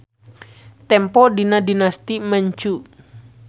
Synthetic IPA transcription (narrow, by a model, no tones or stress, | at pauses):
t̪ɛmpɔdinadinast̪iməɲt͡ʃu